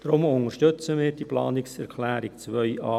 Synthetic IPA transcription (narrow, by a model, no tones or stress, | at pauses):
d̥ɾʊmʊŋəɾʃtɵt͡səmɪːɾd̥iːplɑ̰ːnɪksɛɾkʰlæːɾikt͡sʋœʏɑː